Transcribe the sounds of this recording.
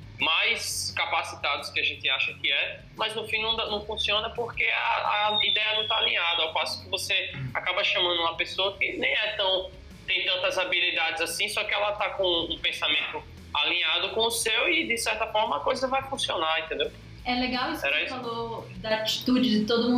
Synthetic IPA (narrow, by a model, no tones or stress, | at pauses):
majskapasi̥t̪ad̪ʊskɪaʒẽt̪ɪaʃɐkɪɛ | mɐznʊfĩnɐ̃d̪nɐ̃w̃fũsiõnɐpoɾkea̰ɐ̰id̪ɛjɐnɐ̃w̃t̪alĩɲad̪ɐawpasʊ̥kɪvoseakabɐʃɐ̃mɐ̃nd̪ʊũmɐpesoɐkɪnẽj̃ɛt̪ɐ̃w̃ | t̪ẽj̃t̪ɐ̃nt̪ɐzabilid̪ad͡ʒɪzasĩsɔkɪɛlɐt̪akõũpẽsamẽnt̪ʊ | a̰lĩɲad̪ʊkõʊsewɪd̪ɪsɛɾt̪ɐfɔɾmɐakojzɐvajfũsionaɾẽnt̪ẽnd̪ew | ɛleɡawisɛɾɐisfalod̪ɐat͡ʃi̥t̪ud͡ʒɪdɪt̪od̪ʊmũ